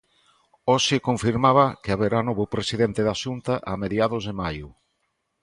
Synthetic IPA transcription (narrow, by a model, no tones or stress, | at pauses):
ɔʃɪkoɱfiɾmaβ̞ɐkɪaβeɾanoβʊpɾesiðent̪ɪðaʃunt̪aʔameðjaðʊzðemajʊ